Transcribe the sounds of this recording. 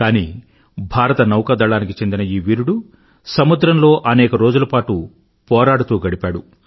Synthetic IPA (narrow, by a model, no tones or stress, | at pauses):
kaːnḭː | bʱaːɾɐt̪ɐnɐwkɐd̪ɐɭaːnikit͡ʃe̞nd̪inɐiːʋiːɾuɽu | sɐmud̪ɾɐmlo̞ːʔɐnɛːkɐɾo̞ːd͡ʒulɐpaːʈu | pɔːɾaːɽut̪uːɡɐɽipaːɽu